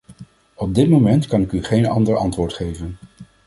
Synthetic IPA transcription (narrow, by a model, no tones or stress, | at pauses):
ɔb̚dɪtmomɛntkɑnɪkyχejnɑ̰ndəɹɑ̰ntʋʊːɹtχejvən